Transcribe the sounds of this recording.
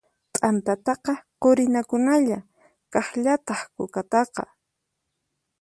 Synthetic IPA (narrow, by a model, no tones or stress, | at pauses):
t̪ʼant̪at̪ɑqɑqoɾɪnakʊnaʎa | kɑχʎat̪ɑχkʊkat̪ɑqɑ̰